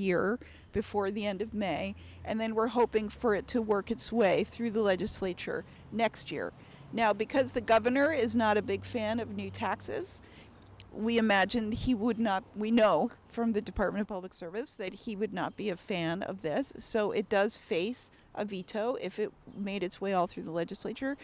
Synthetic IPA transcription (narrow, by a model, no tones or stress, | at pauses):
jɪɹ | b̥ɨfɔɹðiɛ̃ndʌvmeɪ | ʔɨ̰̃nðɨ̃nwɪɹɦoʊpɪ̃ŋfə˞ɨtʰɨwɜ˞kɨtsweɪθɹʉðəlɛd͡ʒɨsleɪt͡ʃə̰˞ | nɛkst̚jɪ̰ɹ | naʊbɨkʰʌzðɨɡʌvə˞nə˞ɪznəɾɨbɪɡ̥fæ̃nʌvnʉtʰæksɪ̰z̥ | wiɨmæd͡ʒɨ̃niwədⁿnət̚winoʊfɹʌ̃mðɨdɨpʰɑɹt̚mɨ̃ɾ̃ʌv̥pʰʌbləksɜ˞vɨsðɨt̚hiwɨdⁿnə̰t̚b̥iɨfæ̃nʌ̰vðɪsːoʊʔɨt̚d̥ʌz̥feɪs | ʔə̰viɾoʊʔɪfɨt̚meɪɾɨtsweɪɔlˠθɹʉðəlɛd͡ʒɨsleɪt͡ʃə˞